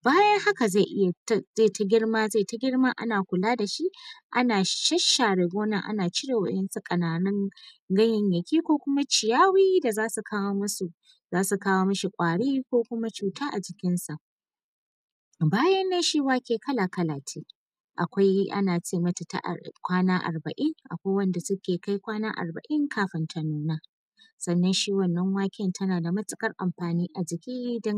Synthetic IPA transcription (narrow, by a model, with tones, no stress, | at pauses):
baː˦jɐ˦ŋha˦ka˨za˦˨ʔɪ˦ja˨tze˦˨tʰa˨ɡʲɪ˦rmaː˦za˦˨ta˦ɡʲɪ˦ɽma˦ʔa̰˦naː˨kʷʊ˨laː˦da˨ʃi˦ʔʔa̰˦naː˨ʃɐ˦ʃːaː˨ɽɪ˨ɡʷoː˦nɐ˨ŋʔa̰˦naː˨t͡ʃɪ˦ɽe˨wɐ̰˦ʔɪ˦nsu˦kʼɐ˨naː˨nɪ˦ŋ | ɡɐ˦ɲɪ˨ɲjɐ˨kʲiː˦kʷoː˦kʷʊ˦ma˦t͡ʃɪ˨jaː˦wiː˦da˨zaː˦su˨kʰaː˦woː˦mɐ˦su˨ | zaː˦su˨kaː˦woː˦mɐ˦ʃi˨kʷʼaː˨ɽiː˦kʷoː˦kʷʊ˦ma˦t͡ʃuː˨taː˦ʔa˨d͡ʒɪ˨kʲɪ˦nsa˨ʔ | baː˦jɐ˦nːe˦ʃi˦waː˦kʲeː˨kʰɐ˦la˨kɐ˦laː˨tʰeː˦ | ʔa̰˨kʷa˦jʔa̰˦naː˨t͡ʃeː˦˨mɐ˦ta˨ta̰˦ʔkʷaː˦naː˦ʔa̰˨rbɐ˨ʔɪ˦ŋʔa̰˨kʷa˦jwɐ˦nda˨sʊ˦kʲeː˨ka˦jkʷaː˦naː˦ʔa̰˨rbɐ̰˨ʔɪ˦ŋkʰaː˦ɸɪ˨ntʰɐ˨nuː˦na˦ | sɐ˨nːɐ˦nʃiː˦wɐ˦˨nːɐ˦ŋwaː˦kʲɪ˦˨ntʰɐ˦naː˨da˨mɐ˦t͡sʼɪ˦kʼɐ˦rʔa̰˨mɸaː˨niː˦ʔa˨d͡ʒɪ˨kʲiː˦dɐ˦ŋ